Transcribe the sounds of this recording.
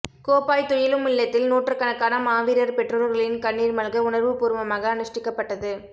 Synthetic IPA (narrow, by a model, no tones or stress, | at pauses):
koːpaːjt̪ːɔjɪlɯmɪɭːɐt̪ːɪlnoːʈrɯkːɐɳɐkːaːnɐmaːʋiːɾɐɾpɛʈrɐlɐɾɣɐɭɪnkɐɳːiːɾmɐlɣɐʊɳɐɾʋɯpuːɾɯmɐmaːɣɐːnɪʂʈɪkːɐpːɐʈːɐðɯ